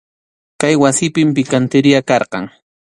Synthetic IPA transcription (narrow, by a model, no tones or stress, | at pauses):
kajwasɪpɪmpɪkant̪ɪɾɪjakɑɾqɑ̰ŋ